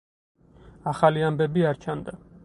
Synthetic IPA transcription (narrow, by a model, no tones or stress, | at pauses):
aχaliambɛbiaɾt͡ʃʰand̪a